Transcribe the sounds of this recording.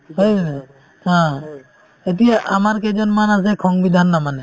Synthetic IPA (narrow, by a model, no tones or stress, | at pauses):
ɦəj | ɦã | et̪̬ijaʔamaɹkɛd͡ʒɔnmanas̬ɛkʰɔŋbid̪ʱanːamanɛ